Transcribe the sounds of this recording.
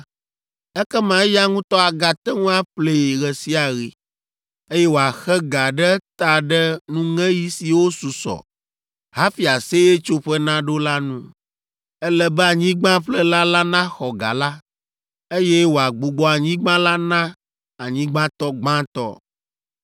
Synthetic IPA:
ɛ˦kɛ˦mã˨˦ja˦ŋũ˦t̪ɔ˦a˨ɡa˨t̪ɛ˦ŋũ˦a˦ɸle˨ɣɛ˨si˦a˨ɣḭ˨ | e˦jɛ˦wo˨a˨xɛ˦ɡa˨ɖɛ˦t̪a˨ɖɛ˦nũ˦ŋɛ̃˦ji˦si˨wo˦su˨sɔ̰˨ | ɦa˦fi˨a˨se˦je˦t͡ʃo˦ɸɛ˦nã˦ɖo˦la˦nũ˦ | ɛ˦lɛ˨bɛ˦a˨ɲĩ˦ɡ͡bã˦ɸlɛ˦la˦la˦nã˦xɔ˨ɡa̰˨la˦ | e˦jɛ˦wo˨a˨ɡ͡bu˨ɡ͡bɔ˦a˨ɲĩ˦ɡ͡bã˦la˦nã˦ | a˨ɲĩ˦ɡ͡bã˦t̪ɔ˦ɡ͡bã˦t̪ɔ̰˦

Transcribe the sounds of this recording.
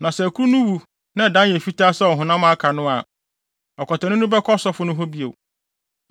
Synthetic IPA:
nã˨sɛ˨æ˨kʰu˦ɾu˦nʊ̃˦wu˨ | nã˦˨dã˦jɛ˨fi˦taː˦sɛ˦ɔ˨ɦʊ̃˨nã˦mã˦kʰa˨nʊ̃˦a̰˨ | ɔ˨kʰɔ˨tʰɛ˨nʊ̃˦nʊ̃˦bɛ˦kʰɔ˦sɔ˦fʊ˦nʊ̃˦ɦɔ˦bi˦ḛ˨w

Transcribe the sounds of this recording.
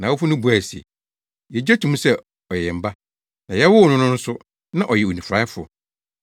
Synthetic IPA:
nã˨wɔ˦fʊ˦nʊ̃˦bu˨æ˨si˨ḛ˨ | jɛ˨d͡ʑɛ˦tʰũ˨˦mũ˦sɛ˦ | ɔ˨jɛ˨m̩˨ba˦ | nã˨jɛ˦wʊ˦˨nʊ̃˦nʊ̃˦n̩˦sʊ˦ | nã˦ʔɔ˨jɛ˨o˨nĩ˨fɾa˦fʊ˨

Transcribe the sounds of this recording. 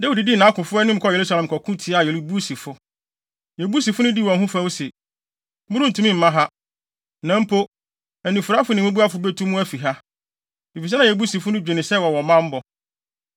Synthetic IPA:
dæ˦wi˨di˨di˦˨nã˨˦kʰʊ̃˨fʊ˦ɛ˦nɪ̃˦m̩˨kʰɔ˦˨je˨ɾu˦sa˦lɛ̃˨m˨kʰɔ˨kʰʊ̃˦tʰi˨˦a˨jɛ˨li˦bu˦si˨fʊ˦ | jɛ˨bu˦si˨fʊ˦nʊ̃˦di˦˨wɔ̃˨nɦʊ̃˦fã˦wsɛ˨ | mʊ̃˦ɾʊ̃˦n˨tʰũ˨˦mĩ˦˨m̩˨mã˦ɦa˦ | nã˨m̩˦pʰo˦ | æ˨nĩ˨fʊ˨ɾa˦fʊ˨˦nɪ̃˨wõ˦bu˦a˦fʊ˨be˦tʰũ˦mũ˦æ˦fi˨ɦa˦ | i˨fi˨s̬ɛ˦nã˨ɛ˨bu˦si˨fʊ˦nʊ̃˦d͡ʑᶣe˨nɪ̃˨sɛ˦˨wɔ˨wɔ˨mã˦m̩˦bɔ˨

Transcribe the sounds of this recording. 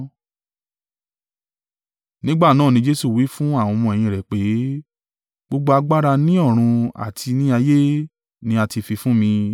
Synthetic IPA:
nĩ˦ɡ͡ba˦˨nãː˦˨nĩ˧˦d͡ʒe˦su˦˨wi˨˦fũ˦a˦˨w̃ɔ̃˧mɔ̃˧˨ɛ˨j̃ĩ˧˨ɾɛ˨k͡pe˨˦ | ɡ͡bo˦ɡ͡bo˦a˧ɡ͡ba˦ɾa˧nĩ˦ɔ˦˨ɾ̃ũ˧a̰˨tʰi˧nĩ˦a˧je˦ | nĩ˧a˧ti˧fi˧fũ˦mĩ˧

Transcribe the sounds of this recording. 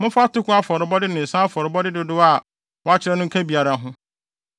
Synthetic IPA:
mʊ̃˦fa˦tʊ˦kʊ˦a˦fɔ˨ɾɪ˨bɔ˦dɪ˦nɪ̃˨n̩˨sã˦fɔ˨ɾɪ˨bɔ˦dɪ˦dʊ˦dʊ˦a˨ | wɔ˦a˦t͡ɕʰɪ˦ɾɛ˦nʊ̃˦ŋ̩˦kʰa˦bi˨a˨ɾa˨ɦʊ̃˦

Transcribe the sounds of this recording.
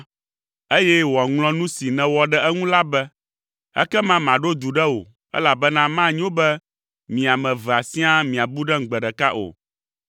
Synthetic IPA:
e˦jɛ˦wɔ˨ŋlɔ̃˦nũ˦si˨nɛ̃˨wɔ˦ɖɛ˦ʔɛ˦ŋũ˦la˦bɛ˦ | ɛ̰˦kɛ˦mã˦mã˨ɖo˦d̪u˨ɖɛ˦wo̰˨ | ɛ̰˦la˨bɛ˦nã˦mã˦ɲ̃˦o˦bɛ˦ | mĩ˨a˨mɛ̃˨vɛ˨a˨sĩ˦a˦mĩ˨a˨bu˦ɖɛ˦ŋ̩˨ɡ͡bɛ˨ɖɛ˨ka̰˦ʔo̰˨

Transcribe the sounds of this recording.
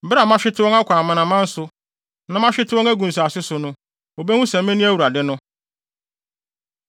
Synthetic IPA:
ba˨mã˦ɕᶣɪ˦tɪ˦wɔ˦ŋa˦kʷʰa˨mã˨nã˨mã˦n̩˦sʊ˦ | nã˨mã˦ɕᶣɪ˦tʰɪ˦ɔ̃˦ŋæ˦ɡũ˨n̩˨s̬a˨sɪ˦sʊ˨nʊ̃˦ | o˨be˦hũ˦sɛ̃˨m̩˦mẽ˦nĩ˦æ˦wu˨ɾa˨dɪ˦nʊ̃˦

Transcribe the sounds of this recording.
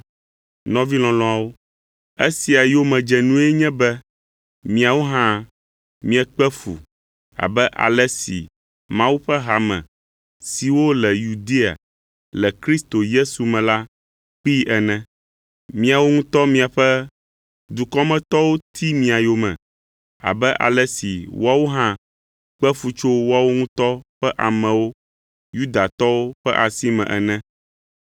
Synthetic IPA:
nɔ̃˦vi˦lɔ̃˨lɔ̃˦a˨wo˦ | e˦si˨a˨jo˦mɛ̃˨d͡ʒɛ˨nũ˦ɛ˦ɲɛ̃˦bɛ˦ | mĩ˨a˨wo˦ɦã˦ | mĩ˦ɛ˦k͡pɛ˦fṵ˨ | a̰˨bɛ˦ʔa̰˨lɛ˦sḭ˨ | mã˦wu˦ɸɛ˦ɦa˨mɛ̰̃˨ | si˨wo˦lɛ˨ju˨d̪e˦a̰˨ | lɛ˨kɾi˦st̪o˨je˦su˨mɛ̃˨la˦ | k͡pi˦ɛ˨nɛ̃˨ | mĩ˦a˨wo˦ŋũ˦t̪ɔ˦mĩ˦a˨ɸɛ˦ | d̪u˨kɔ˦mɛ̃˦t̪ɔ˦wo˦t̪ʰi˦mĩ˨a˨jo˨mɛ̰̃˨ | a̰˨bɛ˦ʔa̰˨lɛ˦si˨wa˦wo˦ɦã˦ | k͡pɛ˦fu˦t͡ʃo˦wa˦wo˦ŋũ˦t̪ɔ˦ɸɛ˦ʔa˨mɛ̃˨wo˦ | ju˦d̪a˨t̪ɔ˦wo˦ɸɛ˦ʔa˨si˦mɛ̰̃˨ʔɛ˨nɛ̃˦

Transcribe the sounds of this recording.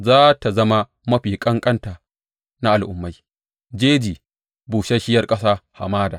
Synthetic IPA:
zaː˦ta˨zɐ˦ma˦ | mɐ˦ɸiː˨kʼɐ˦ŋkʼɐ˦nta˨ | na˦ʔa˨lʔʊ˦mːa˨˦j | d͡ʒeː˦d͡ʒiː˨ | buː˨ʃɐ˦ʃɪ˦jɐ˦rkʼɐ˦saː˦ha̰˨maː˦daː˨

